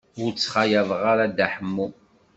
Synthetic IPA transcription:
ʊɾt͡sːχajævʁaɾad̪aħəmːu

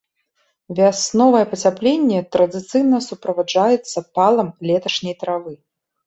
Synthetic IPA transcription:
vʲasnɔvɐjɛpɐt͡sʲaplʲenʲːɛt̪ɾɐd̪ɨt̪sɨjnɐsupɾɐvad͡ʐajɛt̪sːɐpalˠɐmlʲɛt̪ɐʂnʲɐjt̪ɾavɨ

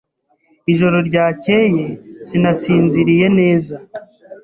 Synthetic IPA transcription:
iʒo̞ɾo̞ɾɟaːce̞je̞sinasiːnziɾije̞ne̞ːza

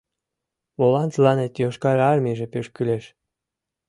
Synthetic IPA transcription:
βolɑnt͡slɑnet̪joʃkɑɾɑrmiʒepeʃkyleʃ

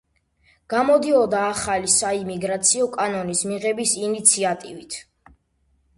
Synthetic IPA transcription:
ɡ̥amɔd̪iɔd̪aːχalisaimiɡɾat̪sʰiɔkʼanɔnismiʁɛbisinit̪sʰiat̪ʼivit̪ʰ

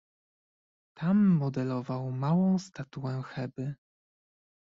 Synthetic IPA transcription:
t̪ʰamːɔd̪ɛlɔvawmawɔ̃w̃st̪at̪uwɛxɛbɘ

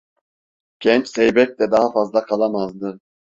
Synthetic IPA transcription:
ɟ̥ɛnt͡ʃsɛjbɛc̚t̪ɛd̪aɦafazlˠakʰalˠamazd̪ɯ

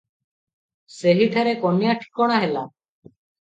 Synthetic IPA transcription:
seɦit̪ʰaɾekɔnjaʈʰi̥kɔɽ̃aɦela

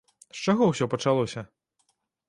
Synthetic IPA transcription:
st͡ʂaɣɔwsʲɔpɐt͡ʂalˠɔsʲɐ

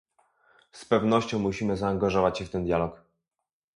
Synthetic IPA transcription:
spɛvnɔɕt͡ɕɔ̃w̃muɕimɘzaːŋɡaʐɔvat͡ɕɕɛft̪ɛnd̪jalɔk

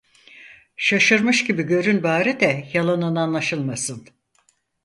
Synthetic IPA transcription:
ʃaʃɯɾmɯʃɟibiɟø̞ɾynbaːɾid̪ɛjalˠanɯnanlˠaʃɯlˠmasɯn

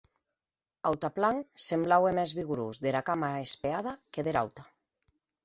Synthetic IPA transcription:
awt̪aplaŋsemblawemɛzβiɣuɾuzðeɾakamaɾaespeað̞akeðeɾa̰wt̪a

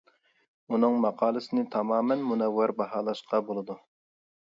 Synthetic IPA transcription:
unɨŋmɑqʰɑːlˠɨsɪnɪt̪ʰɑmɑːmɛnmunɛwːæɾbɑɦɑːlˠɑʃqʰɑbolˠɨd̪u

